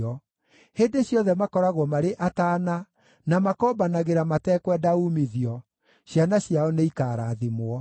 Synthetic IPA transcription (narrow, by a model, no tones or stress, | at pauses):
ɔ | heːndeɕjɔðɛmakɔɾaɣwɔmaɾeʔataːna | namakɔːbanaɣeɾamatɛkwɛdaumiðiɔ | ɕjanaɕjaɔneikaːɾaðimoɔ